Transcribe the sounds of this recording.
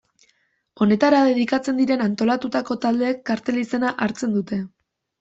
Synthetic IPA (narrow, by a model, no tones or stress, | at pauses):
o̞ne̞t̪aɾaðe̞ðikat͡se̞nd̪iɾe̞nant̪o̞lat̪ut̪ako̞t̪ald̪e̞ːkːaɾt̪e̞lise̞naʔaɾt͡se̞nd̪ut̪e̞